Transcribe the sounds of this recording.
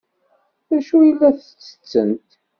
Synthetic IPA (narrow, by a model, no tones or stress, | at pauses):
ðæʃujilːæθə̥t͡sːə̥t͡sːə̰nt̪